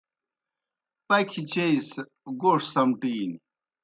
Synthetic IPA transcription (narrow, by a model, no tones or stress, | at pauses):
pɐkʰit͡ɕeis | ɡoːʂsɐmʈiːn